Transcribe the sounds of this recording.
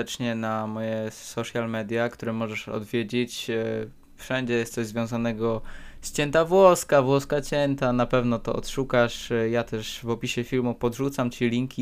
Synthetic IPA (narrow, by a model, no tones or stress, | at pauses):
ɛt͡ʂɲɛnamɔjɛsɔʂjalmɛd̪ʲjakt̪uɾɛmɔʐɛʂɔ̰d̪vʲjed͡ʑet͡ɕ | fʂɛɲd͡ʑɛjɛst̪sɔʑzvʲjɔ̃w̃zanɛɡɔst͡ɕɛnt̪avwɔskavwɔskat͡ɕɛnt̪anapɛvnɔt̪ɔ̰ʔɔ̰t̪ʂukaʂjat̪ɛʂvɔpʲiɕɛfʲilmupɔd̪ʐut̪samt͡ɕilʲiŋkʲi